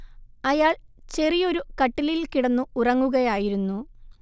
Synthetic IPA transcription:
ɐjaːɭt͡ɕe̞rijo̞ɾukɐʈːililkiɽɐnːuurɐŋːuɣɐjaːjiɾunːu

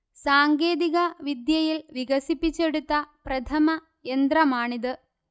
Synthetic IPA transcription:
saːŋɡeːðiɣɐʋid̪jɐjilʋiɣɐsipːit͡ɕːe̞ɽut̪ːɐprɐt̪ʰɐmɐ | end̪rɐmaːɳiðɨ

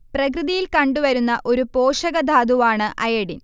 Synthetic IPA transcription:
prɐkrɨðijilkɐɳɖuʋɐɾunːɐʔo̞ɾupo̞ːʂɐɣɐd̪ʱaːd̪uʋaːɳɨʔʔɐjɐɽin

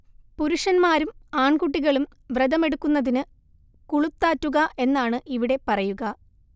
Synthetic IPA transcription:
puɾuʂɐnmaːɾumaːɳkuʈ̬ːiɣɐɭum | ʋred̪ɐme̞ɽukːunːɐðinɨ | kuɭut̪ːaːtːuɣɐʔe̞nːaːɳɨʔiʋiɽe̞pɐrɐjuɣɐ

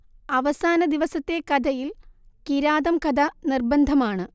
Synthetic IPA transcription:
ɐʋɐsaːnɐd̪iʋɐsɐt̪ːekɐd̪ʱɐjil | kiɾaːd̪ɐmkɐd̪ʱɐnirbɐnd̪ʱɐmaːɳɨ

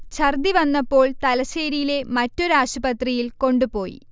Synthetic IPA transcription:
t͡ɕʰɐrd̪iʋɐnːɐpːo̞ːɭt̪ɐlɐseːɾijile̞mɐtːo̞ɾuaːɕubɐt̪rijilko̞ɳɖupo̞ːjḭ

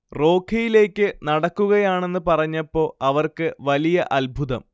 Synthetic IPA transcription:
ro̞ːkʰɐjile̞ːkʲːɨnɐɽɐkːuɣɐjaːɳe̞nːɨpɐrɐɲːɐpːo̞ːɐʋɐrkɨʋɐlijɐʔɐlbʱuðɐm

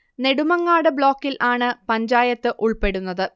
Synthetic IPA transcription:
ne̞ɽumɐŋːaːɽɨbɭo̞ːkːilʔaːɳɨpɐɲd͡ʑaːjɐt̪ːɨʔuɭpe̞ɽunːɐðɨ

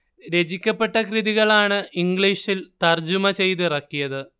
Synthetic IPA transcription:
ɾe̞d͡ʑikʲːɐpːe̞ʈːɐkriðiɣɐɭaːɳɨiŋɡɭiʂilt̪ɐrd͡ʑumɐt͡ɕe̞jt̪̬irɐkːijɐðɨ

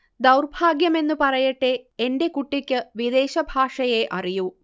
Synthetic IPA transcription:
d̪ɐwrbʱaːɡjɐme̞nːupɐrɐjɐʈːeende̞kuʈːikʲːɨʋid̪e̞ːɕɐbʱaːʂɐjeʔɐriju

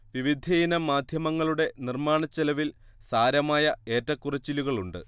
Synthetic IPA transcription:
ʋiʋid̪ʱinɐmaːd̪ʱjɐmɐŋːɐɭuɽe̞nirmaːɳɐt͡ɕːɐlɐʋil | saːɾɐmaːjɐe̞ːtːɐkːurɐt͡ɕːiluɣɐɭuɳɖɨ̰

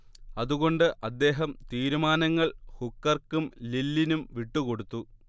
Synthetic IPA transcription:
ɐðuɣo̞ɳɖɨʔɐd̪ːe̞ːɦɐmt̪iːɾumaːnɐŋːɐɭhukːɐrkːumlilːinumʋiʈːuko̞ɽut̪ːu

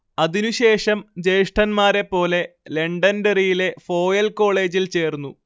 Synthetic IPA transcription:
ɐðinuɕe̞ːʂɐmd͡ʑe̞jʂʈɐnmaːɾe̞pːo̞ːle̞leɳɖɐnderijile̞fo̞ːjɐlko̞ːɭeːd͡ʑilt͡ɕe̞ːrnːu

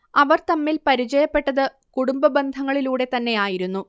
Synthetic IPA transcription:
ɐʋɐrt̪ɐmːilpɐɾit͡ɕɐjɐpːe̞ʈːɐðɨ | kuɽumbɐbɐnd̪ʱɐŋːɐɭiluːɽe̞t̪ɐnːe̞jaːjiɾunːu

